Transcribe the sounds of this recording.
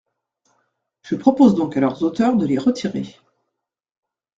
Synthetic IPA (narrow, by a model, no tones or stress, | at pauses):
ʒəpχɔpozd̪ɔ̃kalœʁzot̪œʁd̪əleʁət̪ʰiʁḛ